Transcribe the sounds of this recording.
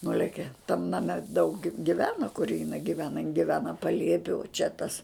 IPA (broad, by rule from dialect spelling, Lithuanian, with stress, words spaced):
ˈnʊlʲɛkʲɛ tɐm nɐˈmʲɛ dɐʊk ɡʲɪ ɡʲɪˈʋʲæːnɐ kʊr jɪˈnɐɪ ɡʲɪˈʋʲæːnɐ jɪn ɡʲɪˈʋʲæːnɐ pɐˈlʲiɛpʲɪ ʊ t͡ʃʲɛ tɐs